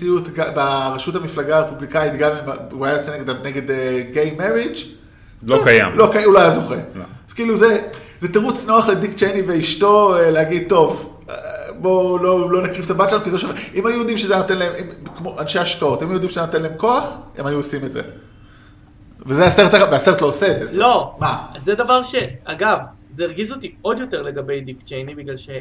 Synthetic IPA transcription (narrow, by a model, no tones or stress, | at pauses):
ijutɡabaʁaʃuthamiflaɡaːʁepublikaitɡamimuajajot͡seneɡedaneɡe̞deɡejmeʁid͡ʒ | lokaja̰mlokajulajazo̞χez̥kiiːluzezeteʁut͡sno̞aχledikt͡ʃejnive̞iʃto̞eleaɡid̚t̪o̞v | bo̞lo̞lo̞nakʁivt̪abatʃlanukizeoʃevʔimajujo̞d̪imʃezeanot̪enlaemimkmoʔanʃeaʃkao̞timajujd̪imʃeaanot̪elaemko̞aχḛmajuosime̞tzḛ | vezeaseʁet̪aaveaseʁet̪lo̞ːseetdzelo̞mazed̪avaʁʃeaɡav | zeːʁɡizot̪iod̪jo̞te̞ʁle̞ɡabe̞jd̪ikt͡ʃejnibiɡlalʃe